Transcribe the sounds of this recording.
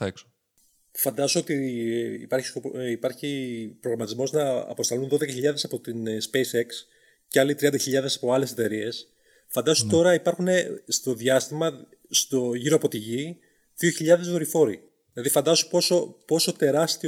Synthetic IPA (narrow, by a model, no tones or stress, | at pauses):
ekso̥ | fɐnd̪ɐsoot̪iːpɐɾçi̥sopipɐɾçipɾoɣɾɐmɐt̪izmo̞znɐ̰ːpo̞st̪ɐlunðo̞ðe̞kɐçiʎɐðe̞sɐpo̞t̪inspe̞jseks | ceɐlit̪ɾiɐnd̪ɐçiʎɐðe̞sɐpo̞ɐle̞se̞t̪e̞ɾie̞s | fɐnd̪ɐsot̪o̞ɾɐipɐɾxune̞st̪o̞ðʝɐst̪imɐ | st̪oʝiɾoɐpot̪iʝi | ðio̞çiʎɐðe̞zðoɾifo̞ɾḭ | ðilɐðifɐnd̪ɐsopo̞so̞po̞so̞t̪e̞ɾɐst̪i